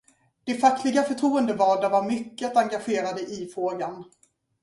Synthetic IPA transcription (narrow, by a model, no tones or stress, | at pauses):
d̪̥ɛfak̪ʰlɪɡafœʈʰɾuːənd̪əvɑːɖavaɾmʏkːət̪aŋɡaɧeːɾad̪əʔɪfɾoːɡan